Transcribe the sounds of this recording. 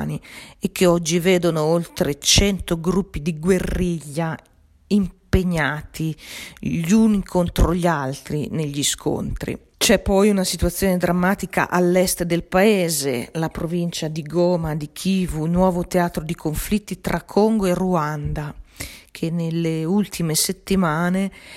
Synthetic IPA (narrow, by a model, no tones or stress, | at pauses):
niekʰːeɔd͡ʒːiveːd̪onoolt̪ɾet͡ʃɛnt̪oɡɾupːid̪iɡwerːiʎːa | impeɲːaːt̪i | ʎunikʰont̪ɾoʎalt̪ɾineʎːiskʰo̰nt̪ɾḭ | t͡ʃɛpːɔjunasit̪wat̪sːjoːned̪ɾamːaːt̪ika̰ʔalːɛst̪ed̪elpaeːzḛlapɾovint͡ʃad̪iɡɔːmad̪ikʰiːvunwɔːvot̪eaːt̪ɾod̪ikʰoɱflit̪ːit̪ɾʔakʰːoŋɡoeruand̪akʰenːelːeult̪ʰimeset̪ːimaːne